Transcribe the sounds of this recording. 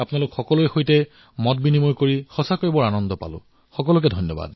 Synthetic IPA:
apʊnalʊkxɔkɔlʊjxojtɛ | mɔt̚binimojkoɹixɔsakojbɔɹanɔndɔpa̰lʊ̰̃ | xɔkɔlʊk̬ɛdʱɔnjɔba̰d

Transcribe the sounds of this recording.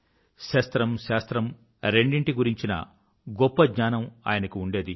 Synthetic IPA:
ʃɐːst̪ɾɐmʃaːst̪ɾɐm | ɾe̞ɳɖiɳʈiɡuɾiɲt͡ʃinɐ̰ | ɡɔpːɐɡɲaːnɐma̰ːjɐnɐkiuɳɖe̞ːd̪i

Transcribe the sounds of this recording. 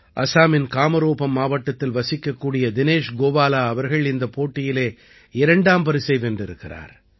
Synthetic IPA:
ʔɐ̰saːmɪnkaːmɐɾoːpɐmːaːʋɐʈːɐt̪ːɪlʋɐsɪkːɐkːuːɽɪjɐd̪ɪneːʂɡoːʋaːlaːɐʋɐɾɣɐɭɪnd̪ɐpoːʈːɪjɪleː | ɪɾɐɳɖaːmpɐɾɪsɛɪʋɛndrɪɾɯkːɪra̰ːɾ

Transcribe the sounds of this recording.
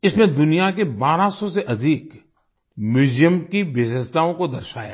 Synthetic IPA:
ɪsmẽd̪ʊnijakebaːɾasɔseʔɐd̪ʱiːk | mʊd͡ʒijəmkiʋɪʃəʃt̪aːõkod̪ɐɾʃaːja̰

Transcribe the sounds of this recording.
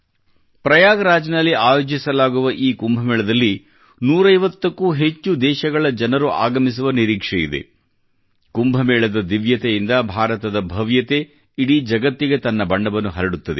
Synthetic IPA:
pɾɐjaːɡɐɾaːd͡ʒɐnɐlːiaːjoːd͡ʒisɐlaːɡuʋɐʔiːkumbʱɐmɛːɭɐd̪ɐlːi | nuːɾɐjʋɐt̪ːɐkːuːɦe̞t͡ʃːud̪ɛːʃɐɡɐɭɐd͡ʒɐnɐɾuʔa̰ːɡɐmis̬uʋɐniɾiːkʂɛjid̪ḛ | kumbʱɐmɛːɭɐd̪ɐd̪iʋjɐt̪ejind̪ɐbʱaːɾɐt̪ɐd̪ɐbʱɐʋjɐt̪e̞ | iɽid͡ʒɐɡɐt̪ːiɡe̞t̪ɐnːɐbɐɳɖɐbɐnːuɦɐɾɐɽut̪ːɐd̪e

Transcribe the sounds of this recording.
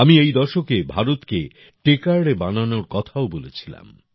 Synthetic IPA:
amiejd̪ɔɾʃokebʱaɾot̪ke | ʈekaɾɽebananoɾkɔt̪ʰaobolet͡ɕʰila̰m

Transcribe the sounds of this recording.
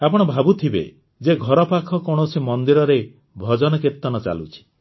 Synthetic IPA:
apɔɽ̃ɔbʱabut̪ʰibḛ | d͡ʒeɡʱɔɾɔpakʰɔkɔɽ̃ɔsimɔnd̪iɾɔɾe | bʱɔd͡ʒɔnɔkiɾt̪ɔnɔt͡ʃa̰lut͡ʃʰi̥

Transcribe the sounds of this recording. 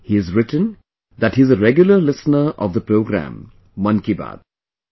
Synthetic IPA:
hiɨzɾɪʈə̃n | d̪æthizəɾɛɡjʊləlɪsnəɾɔ̰vd̪əpɾoːɡɾæ̰̃m | mʌ̃nkiba̰ːd̪̥̚

